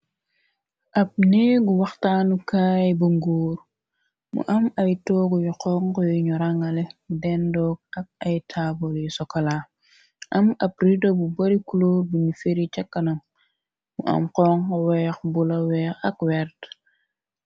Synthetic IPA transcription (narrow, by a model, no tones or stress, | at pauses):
ʔɐp̚neɡuwɐxtaːnukaːjbuŋɡuːɾ | mṵʔɐmɐjtɔːɡɔjuqɔːŋkɔjuɲɔɾaŋɐlɛdɛndɔːk̚ɐk̚ɐjtʰaːboljusɔkɐlaː | ʔɐmɐp̚ridobubɐɾikuloɾbunifeɾit͡ʃɐkːɐnɐm | mṵʔɐ̰mqɔːŋkɔwɛːxbulɐwɛxɐkwɛɾt